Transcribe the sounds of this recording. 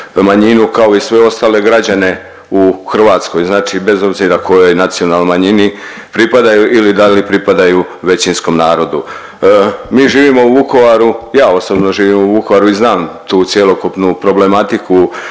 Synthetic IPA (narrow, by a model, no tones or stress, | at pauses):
maɲinukao̞isʋe̞o̞st̪aːle̞ɡɾad͡ʑane̞ | uxr̩ʋaːt̪sko̞jznaːt͡ʃibe̞zo̞bziɾakʰo̞jo̞jnat̪sio̞nalnomaɲini | pɾipad̪ajuʔilid̪alipɾipad̪aju | ʋe̞t͡ɕinsko̞mnaːɾo̞d̪u | miːʒiːʋimo̞uʋuko̞ʋaɾujaːo̞sobno̞ʒiːʋiːmuʋukoʋaɾuiznaːmt̪uːt̪sjelo̞kupnupɾo̞ble̞mat̪iku